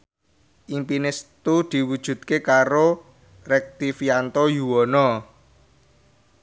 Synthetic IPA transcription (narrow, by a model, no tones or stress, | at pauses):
ʔimpinɪst̪ud̪̥i̤wud̥ʒ̥ṳd̪̚kekaɾo | rɛk̚t̪ifiant̪ojuwɔnɔ